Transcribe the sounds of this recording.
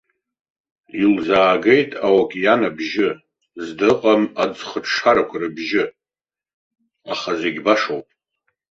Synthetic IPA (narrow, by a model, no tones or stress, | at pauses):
ilzaːɡe̞jtʼawakʲʼjanabʒɪ | zdɨqʼamad͡zχəʈ͡ʂʰʂʰaɾakʷʰarɨbʒɪ | aχaze̞ɡʲbaʂowpʼ